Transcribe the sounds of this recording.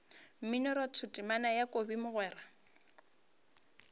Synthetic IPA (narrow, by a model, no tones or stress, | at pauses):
m̩mɪnɔɾatʰʊtʼɪmanajakʼobimʊɣwɛːra